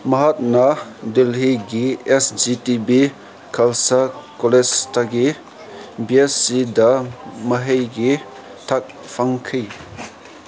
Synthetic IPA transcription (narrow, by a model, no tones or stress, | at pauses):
mɐɦat̪̚nadelɦiɡiesd͡ʒitibi | kʰɐlsakolestaɡi | biesːid̪aməɦejɡi | tʰak̚ | fʰaŋkʰɯj